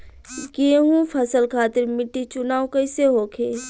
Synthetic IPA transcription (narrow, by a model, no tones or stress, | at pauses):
ɡeɦũpʰɐsəlkʰaːt̪ɪɾmɪʈːit͡ʃʊnaːokɐɪseɦoːkʰeː